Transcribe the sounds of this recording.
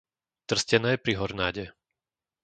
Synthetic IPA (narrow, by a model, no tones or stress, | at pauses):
t̪r̩scɛnɛːpɾiɦɔɾnaːɟɛ